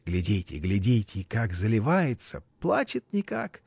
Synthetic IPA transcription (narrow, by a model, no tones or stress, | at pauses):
ɡ̥lʲɪdʲetʲɪ̰ɡlʲɪdʲetʲɪkakzəlʲɪvajɪt̪sə̰plˠat͡ɕɪt̪̚nʲɪkak